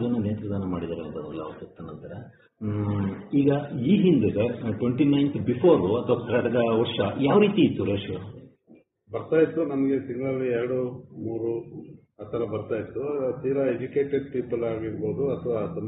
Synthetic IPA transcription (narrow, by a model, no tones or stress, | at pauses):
d̪ɐnːɐneːnt̪ɾɐd̪aːnɐmaːɽid̪aːɾeɐnd̪ɐd̪ɐlːɐɐʋɐt̪ɐt̪ːɐnːɐnt̪aɾe | iːɡɐiːɦind̪eɡeʈʋeɳʈinɐjnt̪bipʰoːɾuɐt̪ʰɐʋakɐɾɐɽɐd̪ɐʋɔɾʂɐjaːʋɾiːt̪iːt̪ːuɾeːʂʋu | bɐɾt̪aːjit̪ːunɐmɐɡet̪iŋɡɐɭɐlːiɛɾɐɽumuːɾu | ɐt̪ʰɐɾɐbɐɾt̪aːjit̪ːut̪iːɾɐed͡ʒuke̞ːʈeɖ̚piːpɐlaːɡiɾbo̞ːd̪uɐt̪ʰɐʋat̪um